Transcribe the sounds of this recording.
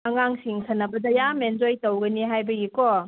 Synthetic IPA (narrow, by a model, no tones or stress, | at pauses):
ɐŋaŋsiŋsʰɐnːɐbɐdɐjamenzojtɐwɡɐniɦajbɐɡikɔ